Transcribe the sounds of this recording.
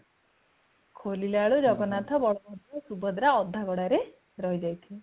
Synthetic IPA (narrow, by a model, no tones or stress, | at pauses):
kʰolilaɭud͡ʒɔɡɔnat̪ʰɔbɔɭɔmɔt̪ɔsubɔd̪ɾaɔd̪ʱːaɡɔɽaɾe | ɾɔɦid͡ʒajt̪ʰi